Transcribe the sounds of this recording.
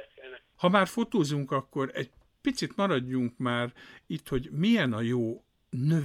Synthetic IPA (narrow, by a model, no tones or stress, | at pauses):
hɒmaːrfo̞t̪oːzuŋkɒkːo̞ɾɛ̰ɟ | pit̪sit̪mɒɾɒɟːuŋkmaːrit̪ho̞ɟmijɛnɒjoː | nø